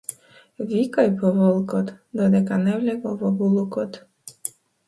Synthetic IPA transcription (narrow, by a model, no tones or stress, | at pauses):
vʲikajpɔvɔlˠkɔt̪d̪ɔd̪ɛkanɛwlʲɛkɔvɔbulˠukɔt̪